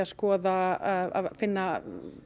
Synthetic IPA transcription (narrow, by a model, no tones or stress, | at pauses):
askɔːðaaa̰ðfɪnːa